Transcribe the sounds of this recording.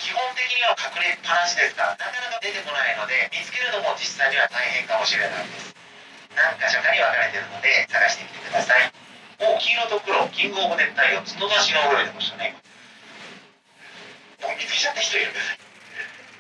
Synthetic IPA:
kʲihõ̞nt̪e̞kʲiɲ̟iβakakɯ̟ɾepanãɕid̪e̞sɨ̥ka̰nakanakad̪e̞t̪e̞ko̞naino̞d̪e̞mʲit͡sɨ̥ke̞ɾɯ̟d̪o̞mo̞d͡ʑisːaiɲʲiβat̪aihẽ̞ŋkamo̞ɕiɾenã̰nd̪e̞sɨ̥ | nãŋkaɕakːaɲ̟iβakaɾe̞t̪e̞ɾɯ̟no̞d̪e̞saɡaɕi̥t̪e̞kʲi̥t̪e̞kɯ̟d̪asai | o̞ːkʲiːno̞t̪o̞kɯɾo̞kʲĩŋɡoːmod̪e̞t̪ːaiot͡sɨnozaɕiɡaoɾoɾet̪e̞maɕi̥t̪one̞ | momʲit͡sɨ̥ke̞t͡ɕat̪ːaçi̥t̪o̞iɾɯ̟nd̪esai

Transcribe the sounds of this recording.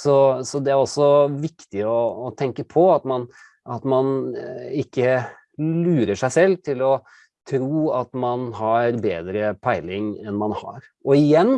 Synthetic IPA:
sɔsɔd̪ɛæɾɔsɔʋɪkt̪ɪɔːt̪ʰɛŋkəpʰɔɑt̪mɑn | ʔɑt̪mɑnɪkːə | lʉːɾəʂæɪsɛlːt̪ʰɪlɔ | t̪ʰɾuːɑt̪mɑnɦɑɾbeːd̪ɾəpʰæɪlɪŋɛnmɑnhɑ̰ɾ | ɔɪjɛnː

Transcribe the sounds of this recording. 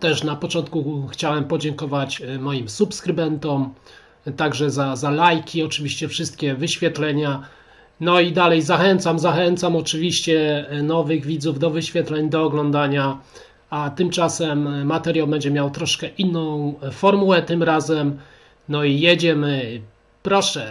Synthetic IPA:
t̪ɛʂnapɔt͡ʂɔnt̪̚kuxt͡ɕawɛmpɔd͡ʑɛŋkɔvat͡ɕmɔjimsupskɾɘbɛnt̪ɔm | t̪aɡʐɛzazalajkʲʰiɔt͡ʂɘvʲiɕt͡ɕɛfʂɘst̪̚kʲɛvɘɕfʲjɛt̪lɛɲa | nɔid̪alɛjzaxɛnt̪samzaxɛnt̪samɔt͡ʂɘvʲiɕt͡ɕɛnɔvɘɣvʲid̪zuvd̪ɔvɘɕfʲjɛt̪lɛɲd̪ɔːɡlɔnd̪aɲa | at̪ɘmt͡ʂasɛmːat̪ɛɾʲjawbɛɲd͡ʑɛmʲjawt̪ɾɔʂkɛʔinːɔ̃w̃fɔɾmuwɛt̪ɘmɾazɛm | nɔijed͡ʑɛmɘ | pɾɔʂɛ

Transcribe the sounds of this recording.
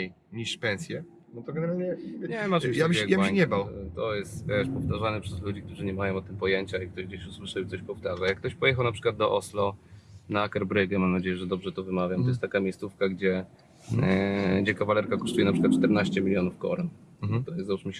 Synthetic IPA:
j | ɲiʂpɛnsʲjɛ | nɔt̪ɔɡɛnɛɾalɲɛɲɛvɛmajabɡjaaɲɛbawt̪ɔjɛst̪vʲɛʂpɔft̪aʐanɛpʂɛzlud͡ʑikt̪uʐɨɲɛmajɔ̃ɔt̪ɨmpɔjɛɲt͡ɕaik̚t̪ɔʑɡd͡ʑeɕuswɘʂawit̪ɔɕpɔft̪aʐajakːt̪ɔɕpɔjɛxawnapʂɘ̥kwad̪d̪ɔʔɔslɔnaːkɛɾbɾɘɡɛmamnad͡ʑejɛʐɛd̪ɔbʐɛt̪ɔvɘmavʲjamt̪ɔjɛst̪t̪akamʲejst̪sufkaɡd͡ʑɛ | ɡd͡ʑɛkavalɛɾkakɔ̥ʂt̪ujɛnapʂɘkwat̪̚ːt͡ʂt̪ɛɾnaɕt͡ɕɛmʲilʲjɔnufkɔ̰ɾɛn | t̪ɔjɛst̪zaut͡ʂmə

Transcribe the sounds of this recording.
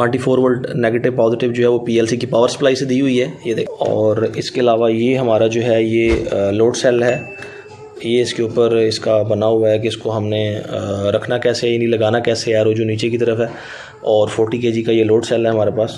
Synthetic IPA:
ɛ̃ɳʈifʰoːɾʋəlɖnɛːɡeːʈɪʋpɔːzɪʈɪʋd͡ʒoːɦɛʋopiːɛːlsikipaːʋəɾsɐ̥plaːised̪iɦʊiɦɛːjed̪eːɔ̰ːɾɪskeɪlaːʋajeɦɐmaːɾad͡ʒoːɦɛjeloːʈsɛːlɦɛː | jeɪskeuːpəɾɪskabɐnaɦʊaɦɛk̬eɪskoɦɐmneɾɐkʰnakɛːseajaːnilɐɡaːnakɛːseaɾod͡ʒoniːt͡ʃekit̪əɾəfɦɛː | ɔːɾfʰoːɾʈikeːd͡ʒikajeloːʈsɛːlɦɛɦɐmaːɾepaːs

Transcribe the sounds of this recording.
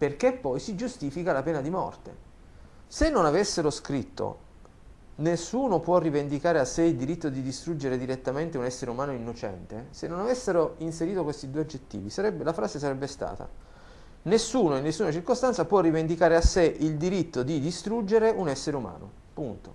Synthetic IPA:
perkepːɔjsid͡ʒust̪iːfikalapɛːnad̪imɔ̰rt̪ḛ | senːonavesːeɾoskɾit̪ːo̰ | nesːuːnopwɔrːivend̪ikaːɾeasːeild̪iɾit̪ːod̪id̪ist̪ɾud͡ʒeɾed̪iɾet̪ːament̪eunɛsːeɾeumaːnoinːot͡ʃɛ̰nt̪esenːonavesːeɾoinseɾiːt̪okwest̪id̪ueod͡ʒːet̪ːḭːvisaɾɛbelafɾaːzesaɾɛbːest̪a̰ːt̪a̰ | nesːuːnoinːesːunat͡ʃirkost̪ant̪sapwɔrːivend̪ikaːɾeasːeʔild̪iɾit̪ːod̪id̪ist̪ɾud͡ʒːeɾeunɛsːeɾeuma̰ːno̰ | punt̪o̰

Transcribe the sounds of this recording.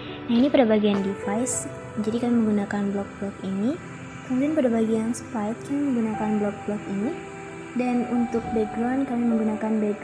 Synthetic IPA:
nainipədabaɡiandifajs | d͡ʒadikamiməŋɡunakanblɔk̚blɔkini | kəmut̪ianpadabaɡijaŋsə̥paɪt̪̚kamiməŋɡunakanblɔk̚blɔkini | danunt̪ʊk̚bɛɡɾankamiməŋɡunakanbɛɡ

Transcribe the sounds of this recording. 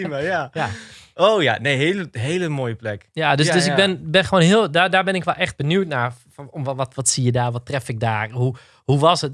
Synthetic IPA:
majajaoːja̰neːɦeləɦeːləmoːjəplɛkjadøsdøs̬ɪɡ̚bɪnbɪnxəʋoːnɦiəlˠdadaːbɪnɪkʋɛlˠʔɛxt̚bənjuːtna | ɔɔʋɔtʋɔtsijədaːʋɔtrɛfɪk̚daːrhu | huʋɔsət

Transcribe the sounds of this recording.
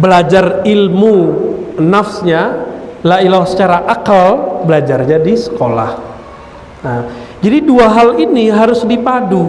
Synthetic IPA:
bəlad͡ʒarilmu | nafsɲalailasə̥t͡ʃaɾaʔakalbəlad͡ʒarɲadisə̥kola̰h | nad͡ʒadiduaɦaliniɦaɾʊsdipadu

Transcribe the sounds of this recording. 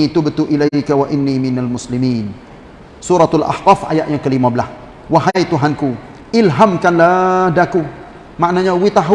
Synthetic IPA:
it̪ʊbt̪uʔilajkawaʔɪnːimɪnalmʊslimiːn | suɾat̪alʔa̰htafʔa̰jaʔjaŋkəlimãbəlas | waɦajt̪uɦanku | ʔɪlɦamkanladaku | maʔnaɲawit̪aɦu

